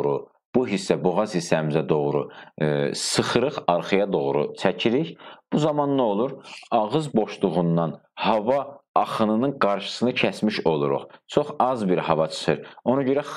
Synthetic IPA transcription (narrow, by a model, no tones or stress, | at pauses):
ɾu | b̥uɦisːæboʁɑz̥hisːæmizæd̪o̞ʁɾu | sɯχɯɾɯχɑɾχɯjɑd̪o̞ʁɾṵt͡ʃʰæcʰiɾiɾb̥uzɑmɑnlˠao̞lˠuɾɑʁɯzbo̞ʃlˠuʁund̪ɑnhɑvɑːχɯnɯnɯnɡɑɾʃɯ̥sɯnɯcʰæsmiʃo̞lˠuɾṵχt͡ʃʰoχɑzbiɾhɑvɑt͡ʃʰɯ̥χɯɾo̞nɑɟøɾæ